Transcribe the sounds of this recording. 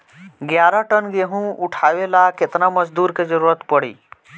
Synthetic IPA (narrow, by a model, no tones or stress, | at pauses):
ɡjaɾaʈənɡeɦũuʈʰaʋelaket̪naməd͡ʒd̪uːɾked͡ʒəɾuɾət̪pəɽḭ